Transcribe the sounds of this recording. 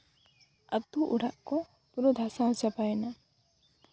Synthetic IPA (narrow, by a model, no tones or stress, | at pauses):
at̪uʔuɽaʔkɔ | puɾɔd̪ʱasat͡ʃapaɛna